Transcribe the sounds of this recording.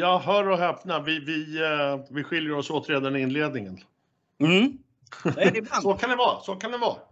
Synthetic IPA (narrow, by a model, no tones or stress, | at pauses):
jɑːɦœːɾɔɦɛpnavɪvɪ | vɪɧɪljəɾɔsoːt̪ɾeːd̪anɪnleːd̪̚nɪŋən | m̩ | dɛsɔkʰand̪ɛvɑːsɔkʰand̪ɛvɑ̰ː